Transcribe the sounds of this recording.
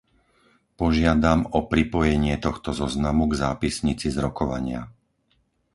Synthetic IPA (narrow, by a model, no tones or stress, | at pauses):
pɔʒɪad̪amɔpɾipɔjɛɲɪɛt̪ɔxt̪ɔzɔznamuɡzaːpisɲit͡sizɾɔkɔʋa̰ɲɪa̰